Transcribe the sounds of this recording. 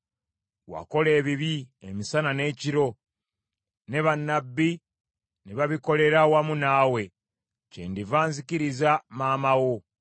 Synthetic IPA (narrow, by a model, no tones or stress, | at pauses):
wa̰ko̞le̞ːβiβiemisanane̞ːciɾo̞ | ne̞βanːabːi | neβaβiko̞le̞ɾawamunawe̞ | cḛndivaːnzikiɾizamaːmawo̞